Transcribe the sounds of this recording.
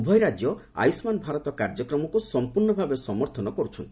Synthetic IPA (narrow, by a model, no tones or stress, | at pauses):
bʱɔjɾad͡ʒjɔa̰jsmanbʱaɾɔt̪ɔkaɾd͡ʒɔkɾɔmɔkusɔmpuɾɳɔbʱabesɔmɔɾt̪ʰɔnɔkɔɾut͡ʃʰɔnt̪i̥